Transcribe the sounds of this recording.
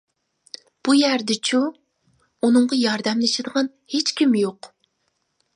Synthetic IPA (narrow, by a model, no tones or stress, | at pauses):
b̥ujæɾd̪ɪt͡ʃʰu | unɨɴʁɑjɑɾd̪ɛmlɪʃɪd̪əʁɑn | het͡ʃkʲʰimjoq